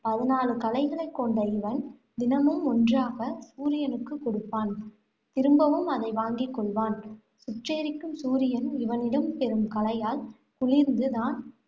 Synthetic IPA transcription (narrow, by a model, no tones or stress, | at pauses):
pɐðɯnaːlɯkɐlɐɪɣɐɭɐɪkːɔɳɖɐɪʋɐn | d̪ɪnɐmɯmːɔndraːɣɐsuːɾɪjɐnɯkːɯkːɔɽɯpːaːn | t̪ɪɾɯmbɐʋɯmɐðɐɪʋaːŋɡɪkːɔɭʋaːn | sʊʈreːɾɪkːɯmsuːɾɪjɐnɪʋɐnɪɽɐmpɛɾɯmkɐlɐjaːl | kʊɭɪɾnd̪ɯðaːn